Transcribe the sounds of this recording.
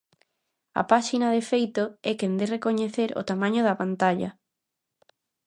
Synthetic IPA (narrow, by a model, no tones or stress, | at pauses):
ɐ̰paʃinaðefejt̪oɛkend̪erekoɲeθeɾo̰t̪amãɲoðɐpant̪aʎɐ̰